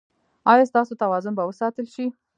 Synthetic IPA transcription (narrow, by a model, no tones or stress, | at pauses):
ɑjɑst̪ɑsot̪awɑzʊnbawəsɑt̪əlʃi